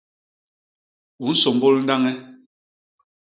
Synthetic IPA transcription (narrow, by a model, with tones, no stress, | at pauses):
u˨n̩˦so˨mbo˦ln̩˦da˦ŋɛ˦